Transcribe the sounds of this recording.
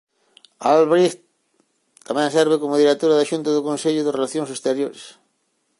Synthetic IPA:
alβɾixt̪ | t̪ːamɛ̃ŋsɛɾβɪkomʊðiɾet̪oɾaðaʃunt̪ɐðʊkõnseʎʊðɪrelaθjoŋsest̪eɾjoɾḛs

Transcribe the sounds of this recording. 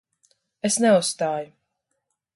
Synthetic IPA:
esnɛussːt̪aːju

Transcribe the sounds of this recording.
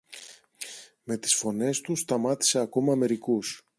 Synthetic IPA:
me̞t̪i̥sfo̞ne̞st̪ust̪ɐmɐt̪i̥se̞ɐko̞mɐːme̞ɾikus

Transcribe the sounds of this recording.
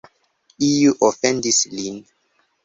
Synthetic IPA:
ijuʔofendislin

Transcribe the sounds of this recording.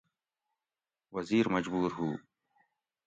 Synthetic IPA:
wɐziːɾmɐd͡ʑbuːɾɦuː

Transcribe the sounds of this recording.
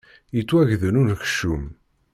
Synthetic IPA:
jit͡sːwæʝðənunç̥ʃːum

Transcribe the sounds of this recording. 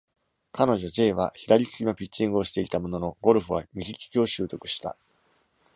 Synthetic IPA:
kʰano̞ʑo̞d͡ʑe̞ːβa̰çid̪aɾʲikʲi̥kʲino̞pʲit͡ɕĩŋɡɯ̟o̞ɕi̥t̪e̞it̪amo̞no̞no̞ɡo̞ɾɯ̟ɸɯ̟βa̰mʲiɡʲikʲi̥kʲio̞ɕɨːt̪o̞kɯ̟̥ɕi̥t̪a̰

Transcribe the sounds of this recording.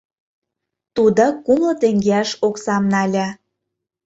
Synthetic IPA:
t̪ud̪okumlɤ̆t̪eŋɡeæʃoksɑmnɑlʲæ

